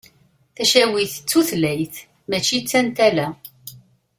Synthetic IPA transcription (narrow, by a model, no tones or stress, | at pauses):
θæʃæwiθə̥t͡sːuθlæjθ | mæt͡ʃːit͡sːænt̪ælæ